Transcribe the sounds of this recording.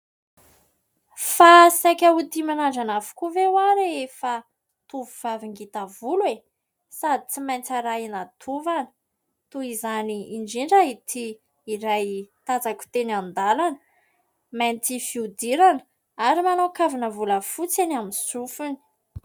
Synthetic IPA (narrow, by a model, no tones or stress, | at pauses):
fasajkʲaut̪imanaɳɖ͡ʐanavu̥kuvewaɾeefa | t̪uvuv̥aviŋɡit̪avulue | sad̪i̥t͡simajnt͡saɾainat̪ʰuvanə̥ | t̪uizaniːɳɖ͡ʐiɳɖ͡ʐait̪ʰiː | ɾajt̪at͡saku̥t̪enand̪alanə̥ | majnt̪ifiud̪iɾanə̥ | aɾimanakavinəvuləfut͡sanamisufuni̥